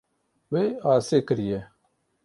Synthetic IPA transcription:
weːaːseːkəɾije

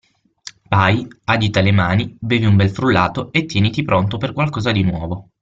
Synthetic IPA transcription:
pajad͡ʒit̪alemaːnibeːviumbɛlfɾulːaːt̪oet̪ːjɛːnit̪ipɾont̪operkwalkɔːzad̪inwɔːvo

